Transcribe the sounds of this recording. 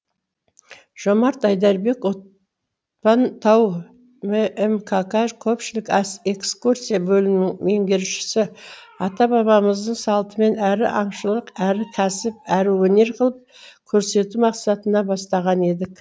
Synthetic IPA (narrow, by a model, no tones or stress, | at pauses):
ʒ̥o̞mɑɾt̪ɑjd̪ɑɾbe̞kwo̞t̪̚ | pɑnt̪ʰɑw | meemkʰakaʒkʲʰɵpʃɪlɪkɑse̞kskuɾsijabɵlɪnɪŋme̞ŋɡʲe̞ɾʃɪ̥sɪɑt̪ɑbɑβɑməzd̪əɴsɑlˠt̪əme̞næɾɪ̰ʔɑɴʃəlˠəqæɾɪkʲʰæsɪp̚æɾɪwɵne̞ɾqʰəlˠəp̚ | kʲʰɵɾse̞t̪umɑqsɑt̪ənɑbɑst̪ɑʁɑne̞d̪ɪk